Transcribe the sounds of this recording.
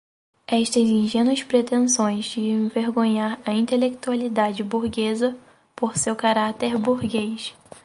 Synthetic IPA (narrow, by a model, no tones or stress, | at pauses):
ɛʃt̪ɐzĩʒẽnuɐspɾet̪ẽsõj̃zd͡ʒɪẽveɾɡõɲaɾɐĩnt̪elek̚t̪ualid̪ad͡ʒɪbuɾɡezɐ | poɾsewkaɾat̪eɾbuɾɡejʃ